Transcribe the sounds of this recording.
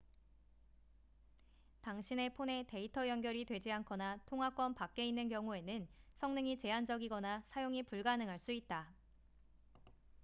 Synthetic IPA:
taŋɕʰine̞pʰone̞te̞itʰʌjʌnɡjʌɾitwe̞d͡ʑiɦankʰʌnatʰoŋɦwak͈wʌnpak̚k͈e̞inːɯnkjʌŋue̞nɯnsʰʌŋnɯŋit͡ɕe̞and͡ʑʌɡiɡʌnasʰajoŋipuɭɡanɯŋɦaɭs͈uit̚t͈a

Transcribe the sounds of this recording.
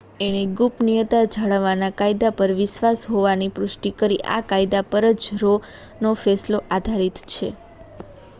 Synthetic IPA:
eñiɡupnijət̪ad͡ʒʱaɭəʋanakajd̪apəɾʋɪʃʋasɦoʋanipɾʊʃʈikəɾiʔa̰kajd̪apəɾəd͡ʒɾo | nofɛsloʔad̪ʱaɾit̪t͡ʃʰe

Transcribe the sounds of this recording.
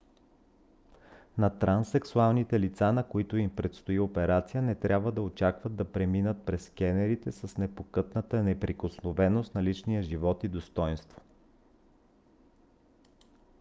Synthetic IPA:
nɐt̪ɾansɛksualˠnit̪ɛlit̪sanɐkoit̪oimpɾɛt̪st̪oiopɛɾat̪sijənɛt̪ɾʲabvəd̪ɐot͡ʃakvəd̪̚d̪ɐpɾɛminət̪̚pɾɛskʲɛnɛɾit̪ɛsəsnɛpokɤt̪nət̪ənɛpɾikosnovɛnost̪nɐlit͡ʃnijəʒivɔt̪id̪ost̪ɔjnst̪vo̥

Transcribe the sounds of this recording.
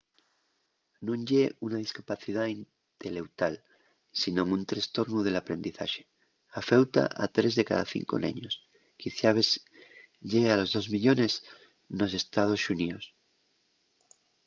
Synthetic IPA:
nõŋɟ͡ʝeunað̞iskapaθiðain | t̪e̞le̞wt̪al | sinõ̞ŋunt̪ɾest̪o̞ɾnuð̞e̞lapɾe̞nd̪iθa̰ʃe̥ | afewt̪a̰ʔat̪ɾe̞zðe̞ka̰ða̰θḭŋko̰nḛ̃ɲos | kiθjaβes | ʎealo̞zðo̞zmiʎo̞ne̞z | no̞se̞st̪að̞o̞sunios

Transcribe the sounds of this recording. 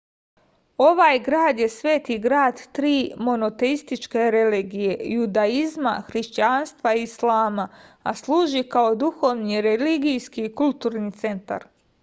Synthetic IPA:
o̞ʋaːjɡɾaːd̪je̞sʋe̞ːt̪iɡɾaːd̪t̪ɾiːmo̞no̞t̪e̞ist̪it͡ʃkeɾe̞liɡijejud̪aizma̰xɾiʃt͡ɕanst̪ʋaiislaːmaa̰slˠuːʒikao̞d̪uxoʋniɾeliɡijskikult̪uːɾnit̪se̞nt̪a̰ɾ

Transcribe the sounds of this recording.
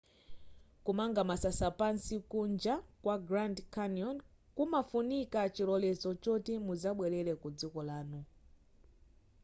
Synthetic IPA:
kumaŋɡamasasapansikund͡ʒakwaɡɾandkʰanjɔn | kumafunikat͡ʃilɔlɛt͡sɔt͡ʃɔtimuzaɓwɛlɛlɛkud͡zikɔlaːnu

